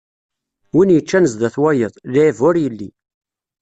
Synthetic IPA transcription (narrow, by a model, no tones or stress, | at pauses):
winjət͡ʃːænəzðæθwæjəðˤliivʊɾjəlːi